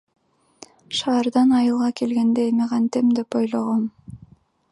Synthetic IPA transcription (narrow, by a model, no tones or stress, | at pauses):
ʃɑːɾd̪ɑnɑjɯlˠʁɑke̞lɡe̞nd̪eemiqɑnt̪emd̪e̞pojlˠoʁom